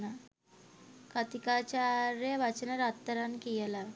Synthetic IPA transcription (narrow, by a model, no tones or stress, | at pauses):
na | kat̪ikat͡ɕaɾjəʋat͡ɕnəɾat̪ːəɾankijəlaʋ